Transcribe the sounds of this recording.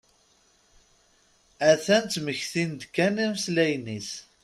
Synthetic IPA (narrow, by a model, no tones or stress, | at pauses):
æθænt̪məçθind̪kːænimslæjnis